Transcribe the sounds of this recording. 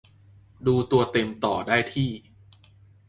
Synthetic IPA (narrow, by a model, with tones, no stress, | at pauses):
duː˧t̪u˧ɐt̪e˧mt̪ɔ̰ː˨˩daː˥˩jt̪ʰiː˥˩